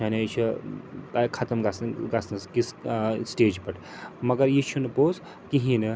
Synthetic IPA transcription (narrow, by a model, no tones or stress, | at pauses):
anet͡ʃʰɐt̪akʰɐt̪ɐmɡɐsɡɐsnɐskissʈeːd͡ʒpɐʈʰ | mɐɡɐɾjit͡ʃʰunɨpoːs | kiɦinɨ